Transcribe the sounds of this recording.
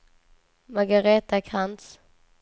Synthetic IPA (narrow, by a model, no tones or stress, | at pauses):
maɡaɾeːt̪akʰant̪s